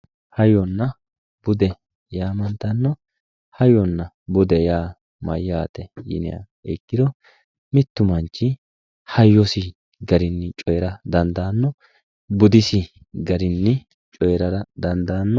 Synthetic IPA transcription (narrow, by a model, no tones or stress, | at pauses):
hɐjɔnːɐ | b̥ʊd̪ɛ | jaːmɐnt̪ːɐnːɔ | hɐjɔnːɐ | bʊd̪ɛjaː | mɐ̰jːaːt̪ɛjɪ̰nɪ̰ja̰ | ɛ̰kːɪd̪ɔ | mɪt̪ːʊmɐnt͡ʃːɪ | hɐjːɔsɪ | ɡɐɾɪnːɪt͡ʃʼɔjɛɾɐd̪ɐnd̪aːnːɔ | bʊd̪ɪsɪ | ɡɐɾɪnːɪ | t͡ʃʼɔjɾɐɾɐd̪ɐnd̪aːnːɔ